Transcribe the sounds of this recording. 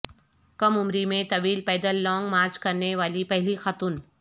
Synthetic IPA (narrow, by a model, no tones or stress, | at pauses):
kɐmʊmɾimẽt̪ɐʋiːlpɛːd̪əlːɔːŋɡmaːɾt͡ʃkɐɾneʋaːlipɛɦlixɐt̪ʊn